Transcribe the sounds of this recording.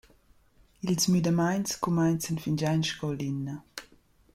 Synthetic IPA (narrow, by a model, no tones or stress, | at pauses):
ilsmydəmajnskumajnt͡sənfind͡ʒajnʃkɔwlinːɐ